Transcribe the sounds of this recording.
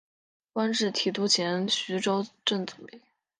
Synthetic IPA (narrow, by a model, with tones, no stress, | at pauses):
kwa˥nʈ͡ʂɻ̩˥˩t̪ʰi˨˩t̪u˥˩t͡ɕʰjɛ˧˥nɕy˧˥ʈ͡ʂo˥ʊʈ͡ʂə˥˩ŋt͡su̥˨˩pi˥˩˦